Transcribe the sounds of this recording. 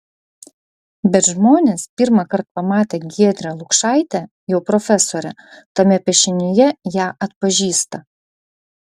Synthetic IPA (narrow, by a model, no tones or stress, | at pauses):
bʲɛt̪ʒmoːnʲeːspʲɪɾmɐkɐɾt̪̚pɐmɑːt̪ʲeːɡʲiɛd̪ʲɾʲɛlˠʊkʃɑˑɪt̪ʲɛ | jɛʊpɾɔfʲɛsoːɾʲɛ | t̪ɐmʲɛpʲɛʃʲɪnʲɪjɛjæːʔɐt̪pɐʒʲiːst̪ɐ